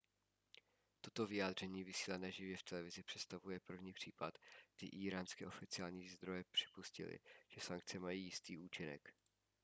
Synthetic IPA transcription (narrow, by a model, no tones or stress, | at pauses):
t̪o̞t̪o̞vɪjaːd̪r̝ɛɲiːvɪsiːlanɛːʒɪvjɛft̪ɛlɛvɪzɪpr̥ɛt̪st̪avujɛpr̩vɲiːpr̝̥iːpat̪ɡ̥dɪʔiːɾaːnskɛːʔo̞fɪt͡sɪaːlɲiːzd̪ɾo̞jɛpr̝̥ɪ̥puscɪ̰lɪ̰ʒ̥ɛsaŋk̚t͡sɛmajiːjɪst̪iːuːt͡ʃɪnɛ̰k